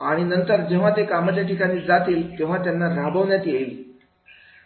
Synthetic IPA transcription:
aɽ̃inənt̪əɾd͡ʑeʋ̤at̪ekamət̪jaʈikaɽ̃iːd͡zat̪iːlt̪eʋ̤at̪janːaɾabəʋɳjat̪jei

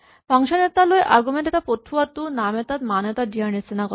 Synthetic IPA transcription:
pɔŋʃanet̪aloeʔaɾɡumenʈet̪apot̪ʰːuat̪unamet̪at̪manet̪aɖianesinakɔ

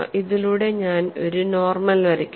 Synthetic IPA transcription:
ʔiðiluːɽe̞ɲaːno̞̰ɾuno̞ːrmɐlʋɐɾikʲː

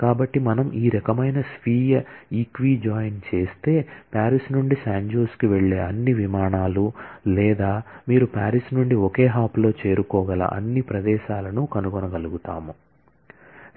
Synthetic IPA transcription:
kaːbɐʈːimɐnɐmiːɾɐkɐmɐjnɐsʋiːjɐiːkʋiːd͡ʒaːjnt͡ʃe̞ːst̪e̞ːpaːɾisnuɳɖisaːɲd͡ʒuːskiʋeɭːe̞ːɐnːiʋimaːɳaːlulɛːd̪aːmiːɾupaːɾisnuɳɖiɔke̞ːɦaːplo̞ːt͡ʃe̞ːɾukɔːɡɐlɐ̰ʔɐ̰nːipɾɐd̪ɛːʃaːlɐnukɐnuɡɔnɐɡɐluɡut̪a̰ːmu

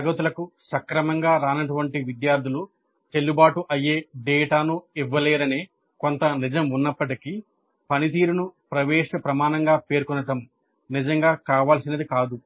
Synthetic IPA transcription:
ɐɡɐt̪ulɐkusɐkɾɐmɐŋɡaːɾaːnɐʈuʋɐɳʈiʋid̪jaːɾd̪ʱilu | t͡ʃelːubaːʈuʔɐjːeːɖɛːʈaːnuiʋːɐlɛːɾɐneː | kont̪ɐnid͡ʒɐmunːɐpːɐʈiki | pɐnit̪̬iːɾunupɾɐʋɛːʃɐpɾɐmaːnɐŋɡaːpe̞ːɾkɔnːɐʈɐm | nid͡ʒɐŋɡaːkaːʋaːlsinɐd̪ikaːd̪u

